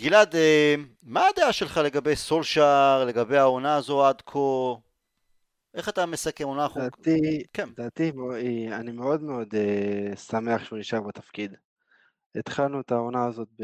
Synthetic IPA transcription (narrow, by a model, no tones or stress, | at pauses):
ɡ̥ilad̪e | maːd̪eaʃelχale̞ɡabe̞jso̞lʃaʁle̞ɡabejao̞naːzo̞ad̪kʰo | ʔe̞χat̪ame̞sake̞monaχdat̪ikend̪aːt̪imianimeo̞d̪meo̞d̪esameaχʃeuniʃaʁbet̪afkid̪ | et̪χalnut̪aonaːzo̞t̪̚b